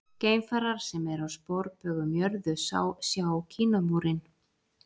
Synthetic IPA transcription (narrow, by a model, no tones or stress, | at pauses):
ceːjmfaɾaɾ̥sɛmɛɾawspowɾpœːɣʏmjœɾðʏsa̰ːwsjawcʰiːnamuːɾɪn